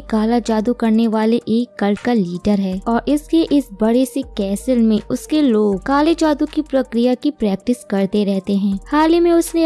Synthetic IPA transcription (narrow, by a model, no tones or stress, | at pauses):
kaːlat͡ʃaːd̪ukɐɾneʋaːleʔeːkːɐlɖkaliːɖəɾɦɛːɔːɾɪskeʔɪsbɐɽesekɛːsəlmẽʊskeloːɡ̚kaːlet͡ʃaːd̪ukipɾɐkɾɪjakipɾɛːk̚ʈɪskɐɾt̪eɾɛɦt̪eɦɛ̃ːhaːlimẽʊsne